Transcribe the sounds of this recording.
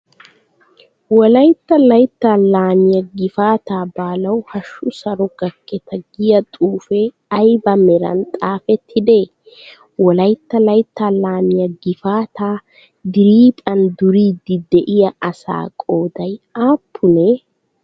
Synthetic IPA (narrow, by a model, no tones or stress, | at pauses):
wɔlɐjt̪ːɐlɐjt̪ːaːlaːmɪjɐɡɪfaːt̪aːbaːlɐwhɐʃːʊsɐɾɔɡ̥ɐkʰːɛt̪ʰɐɡɪjɐt̪ʼuːfe | ɐjbɐmɛɾɐ̰nt̪ʼaːfɛt̪ʰːɪd̪eː | wɔlɐjt̪ːɐlɐjt̪ːaːlaːmɪjɐɡɪfaːt̪ʰaː | d̪ɪɾiːt̪ʼɐnd̪ʊɾiːd̪ɪd̪ɛʔɪjɐɐsa̰ːkʼo̞ːd̪ɐjaːpʰːʊnɛ